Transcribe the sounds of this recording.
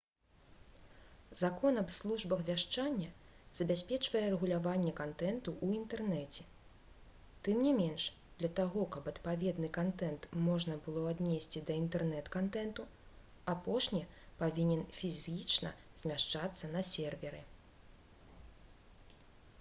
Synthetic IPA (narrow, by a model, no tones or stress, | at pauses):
zakɔnɐbslˠuʐbɐxvʲaʂt͡ʂanʲːɐ | z̥ɐbʲasʲpʲɛt͡ʂvɐjɛrɛɣulʲavanʲːɛkant̪ɛnt̪uʔuint̪ɛrnɛt͡sʲɛ | t̪ɨmnʲimʲɛnʂ | d̪lʲɐt̪aɣɔkɐbɐt̪pavʲɛd̪nɨkant̪ɛnt̪mɔʐnɐbɨlˠɔad̪ʲnʲesʲt͡sʲid̪ɐint̪ɛrnɛt̪kant̪ɛnt̪u | apɔʂnʲipavʲinʲɛnfʲizʲit͡ʂnɐ̰ | z̥ʲmʲaʂt͡ʂat̪sːɐnɐsʲɛrvʲɛɾɨ̰